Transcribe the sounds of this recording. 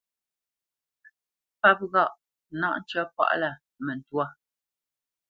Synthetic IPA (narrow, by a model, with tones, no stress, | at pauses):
pa˦p̚ɣa˦˨ʔ | na˦ʔn˦t͡ʃɥɔ˦pwa̰˦ʔla˦˨ | mɛ˨n˨twa˦˨